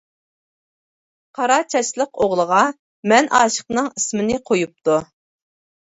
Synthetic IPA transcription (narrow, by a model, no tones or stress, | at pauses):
qʰɑɾɑt͡ʃʰɛʃlˠəqoʁlˠəʁɑ | mɛnʔɑːʃə̥qnɨŋismɪnɪqʰojup̚t̪u